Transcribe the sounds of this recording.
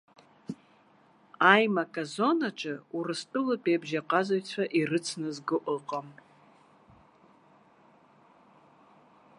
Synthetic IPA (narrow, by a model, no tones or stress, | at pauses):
ajmakʼazo̞naʈ͡ʂʼɨurɨstʼɨlapʼebʒaqʼazaɥt͡sʷʰaʔirɨt͡sʰnɨzɡɨʔʼɨqʼam